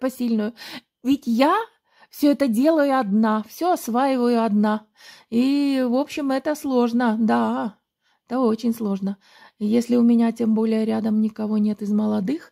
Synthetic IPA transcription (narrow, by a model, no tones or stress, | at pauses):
pɐsʲilʲnʊjʊ | vʲɪtʲja | fsʲɵɛt̪ədʲe̞lˠəjʊɐd̪nafsʲɵɐsvajɪvəjʊɐd̪na | ivo̞pɕːɪmɛt̪əslˠo̞ʐnəd̪a | ɛt̪əo̞t͡ɕɪnʲslˠo̞ʐnə | jesʲlʲɪʊmʲɪnʲatʲe̞mbo̞lʲɪjəɾʲad̪əmnʲɪkɐvo̞nʲe̞t̪ɪzməlˠɐd̪ɨx